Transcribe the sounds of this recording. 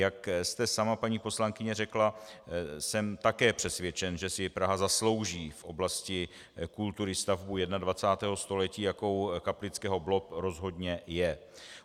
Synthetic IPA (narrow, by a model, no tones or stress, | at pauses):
jakst̪ɛsamapaɲiːpo̞slaŋkɪɲɛrɛkla | sɛmt̪akɛːpr̝̥ɛsvjɛt͡ʃɛnʒɛsɪpɾaɦazaslo̞wʒiːfʔo̞blascɪ | kult̪uɾɪst̪avbujɛdnadvat͡saːt̪ɛːɦo̞st̪o̞lɛciːjako̞wkaplɪt͡skɛːɦo̞blo̞pɾo̞zɦo̞dɲɛjɛ